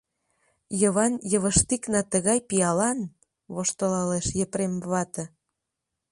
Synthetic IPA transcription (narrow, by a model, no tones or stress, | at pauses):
jəβɑnjə̆βə̆ʃt̪iknɑt̪əɣɑjpiɑlɑn | βoʃt̪olɑleʃjəpɾemβɑt̪ə̆